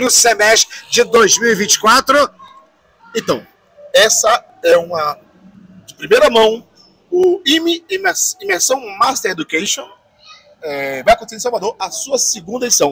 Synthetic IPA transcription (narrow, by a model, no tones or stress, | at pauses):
nʊsemɛst̪ɾɪd͡ʒɪd̪ojzmiwivĩnt͡ʃɪ̥kwat̪ɾʊ | ẽt̪ɐ̃w̃ | ɛsɐ | ɛũmɐ | d͡ʒɪpɾimejɾɐmɐ̃w̃ | ʊimimsĩmeɾsɐ̃w̃mast̪eɾed̪ukejʃõ | ɛvajɐkõt̪sẽĩsawvad̪oɾɐsuɐsɪɡũnd̪ɐd͡ʒisɐ̃w̃